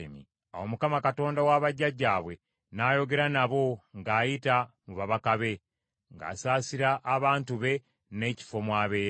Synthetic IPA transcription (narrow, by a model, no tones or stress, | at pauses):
mḭ | awo̞mukamakato̞ːndawaβaɟːaɟːaːβwe̞ | naːjo̞ɡe̞ɾanaβo̞ŋɡaːjitamuβaβakaβe̞ | ŋɡa̰ːsaːsiɾaʔːβaːntuβe̞ | ne̞ːci̥fo̞mwaːβe̞ː